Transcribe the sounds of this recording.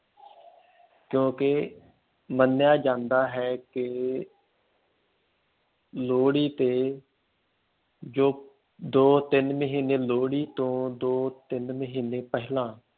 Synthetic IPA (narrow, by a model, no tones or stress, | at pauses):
kjõːke | mənːjaːd͡ʒãːnd̪aːɦɛːkɪ | loːɽiːt̪eː | d͡ʒoː | d̪oːt̪ɪnməɦiːneːloːɽiːt̪õːd̪oːt̪ɪnməɦiːneːpɛɦlãː